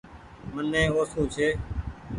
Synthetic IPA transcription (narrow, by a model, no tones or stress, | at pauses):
mənːɛ̃ːoːsũːt͡ʃʰeː